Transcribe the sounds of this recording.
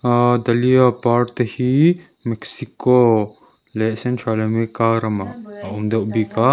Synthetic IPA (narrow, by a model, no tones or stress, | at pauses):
d̪ɐliapaɾt̪hi | meksiko | lesẽnt͡ʃʰalemekaɾɐmaumd̪ɐbika